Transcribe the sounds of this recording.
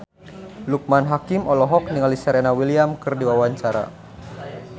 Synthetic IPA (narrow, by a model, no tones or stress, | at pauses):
luk̚manɦakimɔlɔɦɔk̚niŋalisaɾɛnawiliamkɨrdiwawaɲt͡ʃaɾa̰